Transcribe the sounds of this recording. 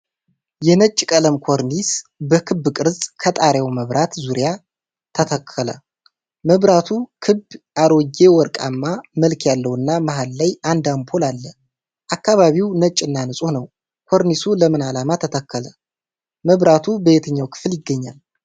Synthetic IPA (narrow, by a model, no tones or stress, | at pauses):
jɛnət͡ʃʼːkʼələmkʰo̞ɾnisbəkʰɨbːkʼɨɾzʼkʰət̪ʼaɾjawməβɾʔat̪zuɾja | t̪ʰət̪ʰəkʰːələ̰ | məβɾat̪ʰukʰɨbʔaɾod͡ʒe̞wɔɾkʼamːaməlkʰjalːəwɨnːamaɦalːajand̪ampʰo̞lalːə | ʔakːaβaβiwnət͡ʃʼːɨnːanɨsʼonəw | kʰoɾnisuləmɨnalamat̪ʰət̪ʰəkːələ | məβɾat̪ʰubəjet̪ʰəɲːawkʰɨ̥fɨljɪɡːəɲːal